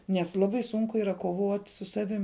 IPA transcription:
nʲɛs ˈlˠɑːbɐɪ ˈsʊŋkʊ ˈiːrɐ koːˈʋoːtʲ sʊ ˈsɑːʋʲɪm

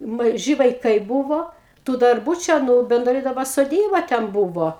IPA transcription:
mɐˈʒʲɪ ʋɐɪˈkɐɪ ˈbʊʋoː tuː dɐrˈbuː ˈt͡ʃʲɛ nʊ bʲɛnˈdrɐɪ dɐˈbɐ soːˈdʲiːbɐ tʲɛn ˈbʊʋoː

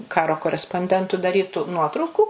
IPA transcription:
ˈkɑːroː koːrʲɛspoːnʲˈdʲɛntʊ dɐˈrʲiːtʊ ˈnuɔtrɐʊkuː

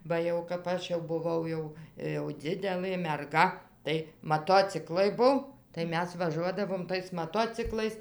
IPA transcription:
ˈbɐ jɛʊ kɐp ˈɐʃ jɛʊ bʊˈʋɐʊ jɛʊ jɛʊ ˈd͡zʲɪdʲɛlˠɘ mʲɛrˈɡɐ tɐɪ mɐˈtoːt͡sʲɪklˠɐɪ ˈbʊw tɐɪ ˈmʲɛs ʋɐˈʒuɔdɐʋoːm tɐɪs mɐˈtoːt͡sʲɪklˠɐɪs

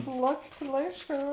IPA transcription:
ˈslˠɑːpʲˌtʲeː ˈlˠɐɪʃˌkɑː

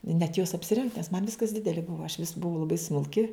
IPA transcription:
nʲɛt joːs ɐpʲsʲɪˈrʲɛŋkt nʲɛs mɐn ˈʋʲɪskɐs ˈdʲɪdʲɛlʲɪ ˈbʊʋɐ ɐʃ ʋʲɪs bʊˈʋɐʊ lˠɐˈbɐɪ smʊlʲˈkʲɪ

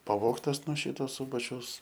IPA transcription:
pɐˈʋoːktɐs nuɔ ˈʃʲiːtoː ˈsuːbɐt͡ʃʲɛʊs

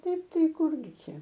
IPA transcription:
ˈtɐɪp ˈtɐɪ ˈkʊrʲɡʲɪ ˈt͡ʃʲɛ

